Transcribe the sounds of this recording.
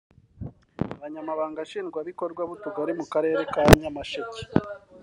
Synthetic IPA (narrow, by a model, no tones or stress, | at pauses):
aβaɲamaβaːŋɡaʃiːnɡwaβiko̞ɾɡwaβutuɡaɾimukaɾe̞ːɾe̞kaɲɲamaʃece̥